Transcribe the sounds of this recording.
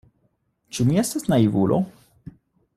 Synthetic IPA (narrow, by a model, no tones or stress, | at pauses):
t͡ʃumiestasnaivulʔo̰